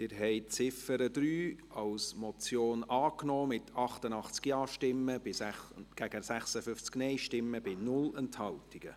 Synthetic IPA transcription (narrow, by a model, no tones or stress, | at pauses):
tɪɾɦɛɪt͡sɪfəɾəd̥̪ɾyːɑwsmɔt͡sjoːnɑːknɔːmɪt̪ʰɑχtənɑχt͡skjɑːʃtɪmːəb̥ɪsæɡ̥æɡ̥əsæχsəfʏft͡sknɛɪʃtɪmːəbɪnʊlɛnthɑltiɡ̥ə̰